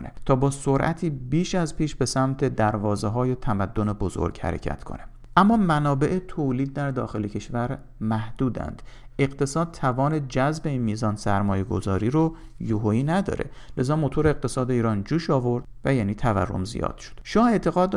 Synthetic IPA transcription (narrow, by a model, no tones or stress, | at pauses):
nḛt̪ʰɒːbɒːsoɾʔæt̪ʰiːbiːʃæzpiːʃbe̞sæmt̪ʰe̞d̪æɾvɒːzeɦɒːjet̪ʰæmæd̪ːo̞ne̞bozo̰ɾɡ̥hæ̰ɾḛcʰæ̰t̪ʰkʰo̞̰ne | ʔæmːɒːmænɒːbe̞ʔet̪ʰoːliːd̪̚ːæɾd̪ɒ̰ːxe̞lecʰe̞ʃvæɾ | mæhd̪̥uːd̪æ̰nd̪̥ʔe̞ɣt̪ʰe̞sɒːd̪̚t̪ʰævɒːned͡ʒæzbe̞inmiːzɒːnsæɾmɒːje̞ɡo̞̰zɒːɾiːɾo | joɦoiːnæd̪ɒ̰ːɾe̞̰le̞zɒːmo̞t̪ʰoɾeeq̚t̪ʰe̞sɒːd̪eiːɾɒːnd͡ʒuːʃɒːvoɾd̪̥væjæːniːt̪ʰævæ̰rːo̞̰mzḭjɒ̰ːd̪̥ʃo̥d̪̥ʃɒːe̞ːt̪ʰe̞ɣɒːd̪